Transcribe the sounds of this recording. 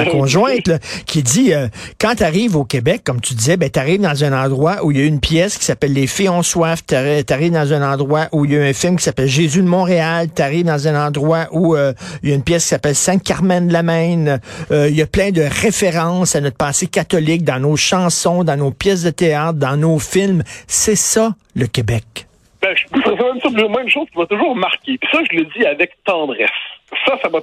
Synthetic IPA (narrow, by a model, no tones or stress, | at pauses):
akɔ̃ʒwɛ̃t̪lkʲʰid͡z̪iøkɑ̃t̪aʁiːvoːkʲebɛkːɔmt̪yd̪izɛbɛ̃t̪aʁiːvd̪ɑ̃zɛ̃nɑ̃d̪ʁwaʔuiljaynpʰjɛskʲi̥sapɛlːefiɔ̃swaft̪at̪aʁiːvd̪ɑ̃zɛ̃nɑ̃d̪ʁwaʔuiljaɛ̃fɪlmkʲi̥sapɛlʒezyd̪mɔ̃ʁealt̪aʁiːvd̪ɑ̃zɛ̃nɑ̃d̪ʁwaʔuøjaynpjɛskʲi̥sapɛlsɛ̃kaʁmɛ̃nd̪lamɛ̃nøiljaplɛ̃d̪əʁefeʁɑ̃sanɔt̪pɑːsekʲat̪ɔlɪk̚d̪ɑ̃noʃɑ̃sɔ̃d̪ɑ̃noːpjɛs̬d̪ət̪eaːt̪̚d̪ɑ̃nofɪlmsɛsʌ | ləkʲebɛk | b̥ɛʒbusʁɛsɛmɛ̃msɔpiʁmwɛ̃ynʃoz̥kʲivat̪ʊʒuːʁmaʁkʲepi̥sʌʒələd͡ziavɛk̚t̪ɑ̃ːd̪ʁɛsːʌsava